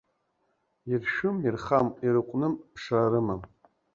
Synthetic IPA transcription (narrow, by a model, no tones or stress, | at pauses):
irʃᶣʊmirχamiɾɨqʷʼnɨmpʰʂaɾɨmam